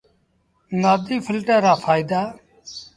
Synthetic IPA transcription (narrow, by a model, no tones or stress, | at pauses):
naːd̪iːfʰɪlʈəːɾaːfʰaːɪd̪aː